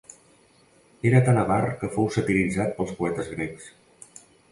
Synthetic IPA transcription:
eɾət̪anəβarkəfowsət̪ilid͡zat̪̚pəlˠspuɛt̪əzɣɾeks

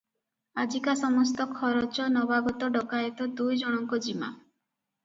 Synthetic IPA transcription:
ad͡ʒikasɔmɔs̬t̪ɔkʰɔɾɔt͡ʃɔnɔbaɡɔt̪ɔɖɔkajet̪ɔd̪ujd͡ʒɔɽ̃ɔŋkɔd͡ʒima̰

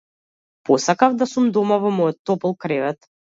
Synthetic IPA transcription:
pɔsakavd̪asumd̪ɔmavɔmɔjɔt̪ːɔpɛlˠkɾɛvɛt̪

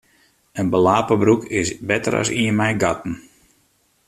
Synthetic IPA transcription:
ənbəlaːpəbɾukɪsbɛtə̰ɾa̰siənmɛjɡatn̩

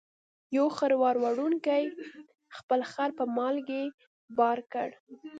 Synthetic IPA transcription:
jowxəɾwɑɾwaɽuŋkaj | xpəlxaɾpəmɑlɡe | bɑɾkə̰ɽ

